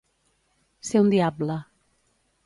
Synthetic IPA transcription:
seũnd̪iabla

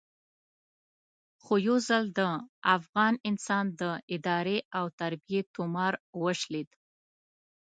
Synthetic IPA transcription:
xojowzəld̪əafɣɑnɪnsɑnd̪əɪd̪ɑɾeawt̪aɾbijet̪ʊmɑɾwəʃled̪

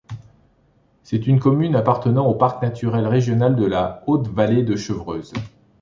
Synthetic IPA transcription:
sɛt̪ynkɔmynapaʁt̪ənɑ̃opaʁknat̪ʰyʁɛlʁeʒjɔnald̪əlaot̪valed̪əʃəvʁøːz

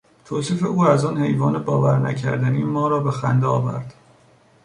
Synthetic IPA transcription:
t̪ʰoːsiːfeuːæzɒːnhe̞jvɒːnebɒːvæɾnæ̰cʰæ̰ɾd̪æniːmɒːɾɒːbe̞xæ̰nd̪eɒːvæ̰ɾd̪̥

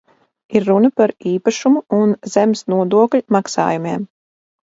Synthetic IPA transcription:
iɾːunɐpaɾiːpaʃumuunzɛmsnuɔd̪uɔklʲmaksa̰ːjumeɛm

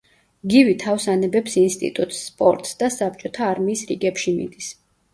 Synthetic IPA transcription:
ɡivit̪ʰafsanɛbɛpsinst̪ʼḭt̪ʼut̪ʼsːpʼɔ̰ɾt̪ʼsd̪̥asap̚t͡ʃʼɔt̪ʰaːɾmiːsɾḭɡɛpʃimḭd̪is

